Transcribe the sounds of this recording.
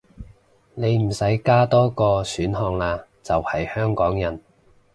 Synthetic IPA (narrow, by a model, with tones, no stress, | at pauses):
ne˨˧jm̩˨˩sɐ˨˥jkaː˥t̪ɔː˥kɔː˧syː˨˥nɦɔː˧ŋlaː˧ | t͡sɐ˨whɐ˨jhœː˥ŋkɔː˨˥ŋjɐ˨˩n